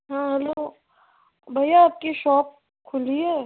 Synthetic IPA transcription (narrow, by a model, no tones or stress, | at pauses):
ɦãːɦɛloː | bʱɐjaːp̚kiʃɔːp̚ | kʰʊliɦɛː